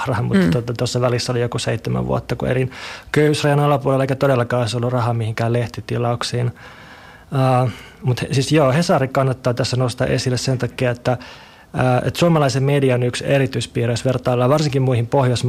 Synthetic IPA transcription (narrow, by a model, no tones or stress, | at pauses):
hrɑhɑmṵt̪ːɑt̪ːuot̪ɑt̪osːɑʋælisːæolijokuseit̪ːemæ̰ʋʋṵo̰t̪ːɑkṵḛlinkøyhysrɑjɑnɑlɑpuolelːɑeikæt̪odelːɑkɑːoisolːurɑhɑmihiŋkæːleht̪it̪ilɑuksiːn | əː | mut̪hsisjoːhesɑrikɑnːɑt̪ːɑːt̪æsːænost̪ɑ̰ʔesilːessent̪ɑkːiɑet̪ːæ | əːʔḛt̪suomɑlɑisemmediɑonykserit̪yispiːreysʋert̪ɑːlːɑːʋɑrsiŋkimmuihimpohjosm